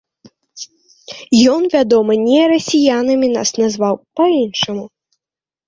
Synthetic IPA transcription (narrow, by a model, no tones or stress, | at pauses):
jɔnvʲad̪ɔmɐnʲɛɾɐsʲijanɨmʲina̰snazvawpainʂɐmu